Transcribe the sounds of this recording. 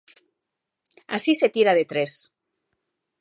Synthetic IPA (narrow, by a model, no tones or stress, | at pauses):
a̰sise̞t̪iɾaðet̪ɾes